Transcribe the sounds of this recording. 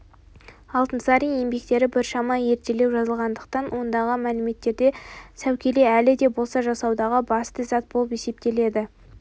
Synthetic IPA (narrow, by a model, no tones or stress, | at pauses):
ɑlˠt̪ənsɑɾinje̞mbe̞k̚t̪e̞ɾɪbɪɾʃɑmɑje̞ɾt̪e̞le̞wʒɑzəlˠʁɑnd̪əq̚t̪ɑnwo̞nd̪ɑʁəmælɪme̞t̪ːe̞ɾd̪e̞sæwkʲe̞le̞ælɪd̪e̞bo̞lˠsɑʒɑsɑwd̪ɑʁəbɑst̪əzɑt̪̚bo̞lˠəpe̞se̞p̚t̪e̞le̞d̪ɪ